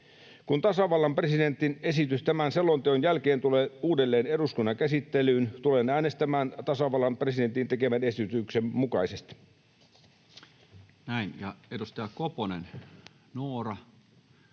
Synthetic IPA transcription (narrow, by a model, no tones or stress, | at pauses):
kunt̪ɑsɑʋɑlːɑmpreside̞nt̪ːˑine̞sit̪yst̪æmænse̞lːont̪eonjælkeːnt̪uleːuːdelːeːne̞ɾuskunːɑkæsit̪ːelyːnt̪ulenæːnest̪æmæːnt̪ɑsɑʋɑlːɑmpresident̪int̪ekeʋænesyt̪yksemmukɑisest̪i̥ | næinjɑ̰edust̪æːkoponḛn | nuorɑ